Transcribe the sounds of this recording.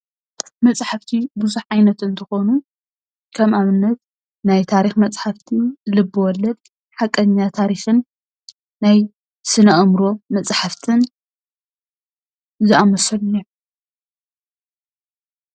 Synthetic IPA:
mɐt͡sʼħaft̪ʰibɨzuħʕajnɐt̪ɨnt̪ʰɨxo̞nu | kʰɐmʔaβɨnːɐt̪ | najt̪ʰaɾixmɐt͡sʼħaft̪ʰilɨbːɨwɔlːɐd̪̚ | ħakʼːɐɲːat̪ʰaɾixɨnː | aj | sɨnɐʔmɾo̞mɐt͡sʼħaft̪ʰɨn | zɨʔamɐsɐlɨno

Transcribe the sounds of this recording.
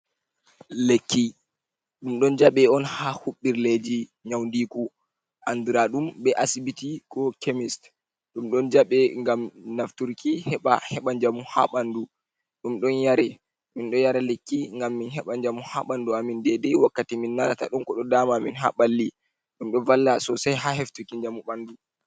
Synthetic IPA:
lekːi | ɗumɗɔnd͡ʒaɓɛɔnhahuɓːiɾled͡ʒiɲawndiku | ʔandiɾaɗumɓɛʔasibitikɔkemist | ɗumɗɔnd͡ʒaɓɛŋɡamnaftuɾkihɛɓahɛɓaɲd͡ʒamuha̰ɓandu | ɗumɗɔnjaɾɛ | minɗɔjaɾalekːiŋɡamːinɦɛɓaɲd͡ʒamuha̰ɓanduamindɛdɛwakːatiminːalata̰ɗumkɔɗɔdamaminɦa̰ɓalːi | ɗumɗɔvalːasɔsajɦaɦeftukiɲd͡ʒamuɓandu

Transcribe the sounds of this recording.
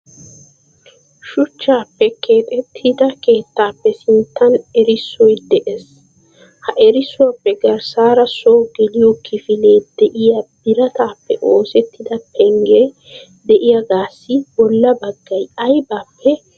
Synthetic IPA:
ʃʊt͡ʃːaːpːɛkʰeːt̪ʼɛt̪ʰːɪd̪ɐke̞ːt̪ːaːpːɛsɪnt̪ːɐnɛɾɪsːɔjd̪ɛʔes | hɐʔɛɾɪsʊwɐpːɛɡɐɾsaːɾɐsoːɡɛlɪjokʰːɪfɪle̞ːd̪̥ɛʔɪjabɪɾɐt̪aːpːɛʔo̞ːsɛt̪ːɪd̪ɐpʰɛŋɡe | d̪ɛʔɪjɐɡaːsːɪbɔlːɐbɐɡːɐjɐjbaːpʰːɛ

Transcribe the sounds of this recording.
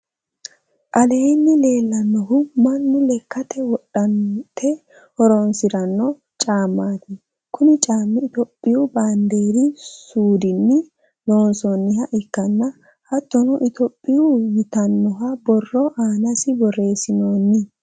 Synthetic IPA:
ʔɐle̞ːnːɪle̞ːlːɐnːɔɦʊmɐnːʊlɛkːɐt̪ɛwɔɗːɐnt̪ʰɛ | hɔɾonsɪɾɐnːɔ | t͡ʃʼaːmːaːt̪ɪ | kʰʊnɪt͡ʃʼaːmːɪt̪ɔpʼːɪjʊband̪eːɾɪsuːd̪ɪnːɪ | lo̞ːnsɔnːɪhɐʔɪkːɐnːɐ | hɐt̪ːɔnɔʔɪt̪ɔpʼːɪjʊjɪt̪ɐnːɔɦɐbɔrːɔʔaːnɐsɪbɔre̞ːsɪnoːnːɪ

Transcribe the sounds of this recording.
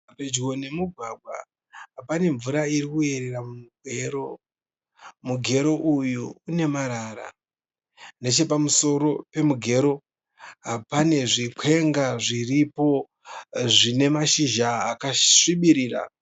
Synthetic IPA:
ped͡ʒɡo̞ne̞muɡʱwaɡʱwa̰ | ɦapane̞ɱvuɾaiɾikue̞ɾe̞ramumuɡʱe̞ːɾo̞ | muɡʱe̞ɾo̞ʔujuːne̞maɾaɾa̰ | ne̞t͡ʃe̞pamuso̞ɾo̞pe̞muɡʱe̞ɾo̞ | ɦapane̞ʐikʰe̞ŋɡaʐiripo̞ | ʐine̞maʃiʒaːkaʂiɓiɾiːɾa̰

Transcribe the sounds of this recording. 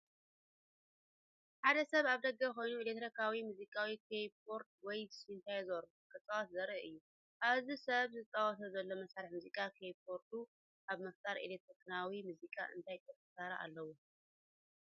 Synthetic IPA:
ħad̪ɐsɐβaβd̪ɐɡːɐko̞jnuelet̪ʰːɾikʰawimuzikʼawikʰepʰo̞ɾt̪̚wɔjsɨnt̪ʰajzɐɾukʼɨt͡sʼawɔt̪zɐɾɐʔɨjːu | ʔaβzisɐβzɨt̪ʼawɔt̪ʰɐzɐlːo̞mɐsaɾiħmuzikʼakʰepʰo̞ɾt̪ʰu | ʔaβmɐft̪ʼaɾʔelek̚t̪ʰɾikʰnawimuzikʼa̰ʔɨ̰nt̪ʰajt̪ʰɐfɐsaɾɐʔa̰lːɐwo

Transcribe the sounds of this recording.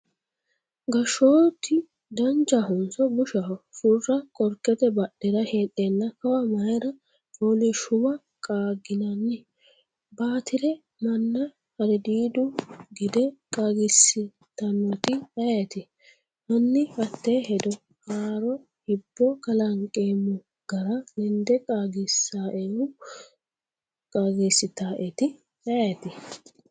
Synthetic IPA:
ɡɐʃoːt̪ːɪ | d̪ɐnd͡ʒɐɦʊnsɔbʊʃɐɦɔsʊrːɐkʼɔɾkʼːɛt̪ɛbɐɗːɛɾɐheːɗːeːnːɐkɐwɐmɐjɾɐ | t͡ʃʼoːliʃʊmɐ | kʼaːɡɪnɐnːɪ | baːt̪ɪɾɛ | mɐnːɐ | hɐd̪ɛd̪iːd̪ʊɡɪd̪ɛkʼaːɡɪsːɪ | t̪ɐnːɔt̪ɪɐɛt̪ɪ | mɐnːɪhɐt̪ːeːɦɛd̪ɔ | kaːɾɔ | hɪbːɔkɐlɐŋkʼeːmʊ | ɡ̥ɐɾɐlɛnd̪ɛkʼaːɡɪsːaːʔeʊ | kʼaːɡisːɪt̪aːʔɛt̪ɪ | ɐɛt̪ɪ

